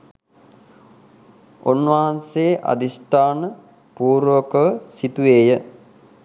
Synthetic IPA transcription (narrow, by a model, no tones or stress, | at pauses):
onʋɐɦanseːʔa̰d̪isʈ̪aːnə | puːɾʋəkəʋəsit̪uʋeːjə